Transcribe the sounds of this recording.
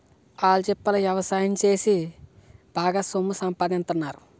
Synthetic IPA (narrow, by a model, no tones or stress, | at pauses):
aːlut͡ʃɛpːɐlɐjɐʋɐsaːjɐmt͡ʃe̞ːsi | b̥ʱaːɡaːsomːusɐmpaːd̪int̪unːaːɾu